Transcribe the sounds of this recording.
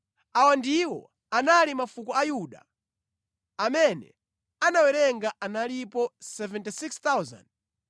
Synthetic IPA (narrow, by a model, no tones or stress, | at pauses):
awandiwɔ̰ | analimafukɔajuɗa̰ | amɛnɛ̰ | anawɛɾɛŋɡaʔanalipɔsɛvɛntisikst̪awza̰nd̚